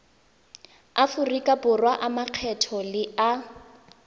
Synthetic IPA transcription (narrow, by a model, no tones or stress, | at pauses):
afʊrikʼabʊrwaʔamaq͡χʰɛtʰɔlɪa